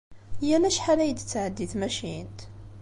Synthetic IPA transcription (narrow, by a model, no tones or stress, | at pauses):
jælæʃħalæjəd̪t͡sːʕəd̪ːiθmæʃint̪